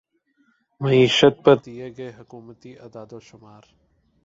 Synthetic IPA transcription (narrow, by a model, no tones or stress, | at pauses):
mɐiːʃət̪̚pɐɾd̪ieɡɐeɦʊkuːmət̪iʔɐd̪aːd̪oʃʊmaːɾ